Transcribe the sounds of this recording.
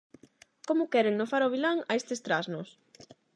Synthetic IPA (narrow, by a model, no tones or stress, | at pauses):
komʊkɛɾeŋnofaɾoβ̞ilaŋaest̪est̪ɾaznʊs